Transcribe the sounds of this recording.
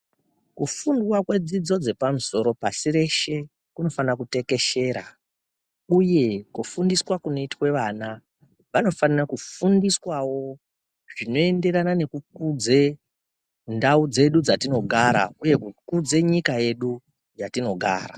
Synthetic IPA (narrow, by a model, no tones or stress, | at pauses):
kufunduwakwe̞d͡zid͡zo̞d͡ze̞pamuso̞ɾo̞pasire̞ʃe̞ | kuno̞fanrakute̞ke̞ʃe̞ɾa̰ | uje̞kufundiswakunoitwe̞ʋaːna | ʋano̞fanirakufundiswawo̞ | ʐ̥ino̞e̞nde̞ɾanane̞kukud͡ze | ndaud͡ze̞ɗud͡zatino̞ɡʱaɾa̰uje̞kukud͡ze̞ɲikaje̞ɗu | jatino̞ɡʱa̰ːɾa̰